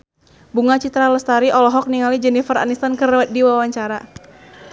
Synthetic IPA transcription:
buŋat͡ʃit̪ɾaləst̪aɾiʔɔlɔɦɔk̚niŋalid͡ʒɛnifəɾa̰nist̪ankərdiwawaɲt͡ʃaɾa

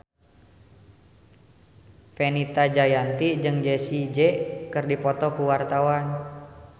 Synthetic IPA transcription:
fenit̪ad͡ʒajant̪id͡ʒɨŋd͡ʒɛsid͡ʒɛkɨrdipɔt̪ɔkuwart̪awan

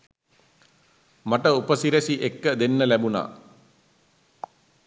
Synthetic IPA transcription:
maʈəupəsiɾesiʔekːəd̪enːəlæbuna̰ː

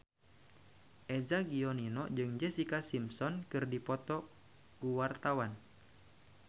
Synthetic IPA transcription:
ʔɛzaɡiɔninɔd͡ʒɨŋd͡ʒɛsikasimsɔnkɨrdipɔt̪ɔ | ɡuwart̪awan

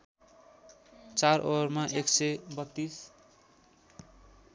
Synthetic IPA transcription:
t͡sarʔormaʔeksebʌt̪ːis

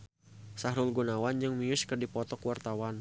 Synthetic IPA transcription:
saɦɾʊlɡunawand͡ʒɨŋmiʊskərdipɔt̪ɔkuwart̪awan

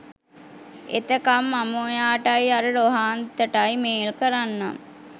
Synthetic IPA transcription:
ḛt̪əkamːamojaːʈajaɾəɖoɦaːnd̪t̪əʈajmeːlkəɾanːa̰m

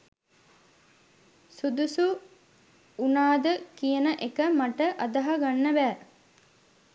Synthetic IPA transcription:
sud̪usu | unaːd̪əkijənəʔekəmaʈəʔad̪aɦaɡanːəbæː

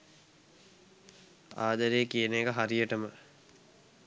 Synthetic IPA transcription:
a̰ːd̪əɾeːkiənekəɦaɾijəʈəmə

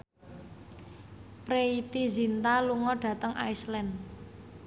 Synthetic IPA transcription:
pɾeit̪izint̪aluŋɔɖ̥ä̤t̪əŋʔa̰islɛn

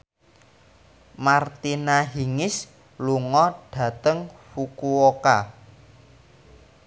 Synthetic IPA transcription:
mart̪inaɦiŋɪs | luŋɔɖ̥ä̤t̪əŋfukuoka̰

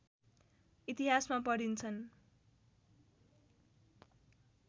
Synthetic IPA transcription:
it̪iɦasmapʌɽint͡sʰʌn

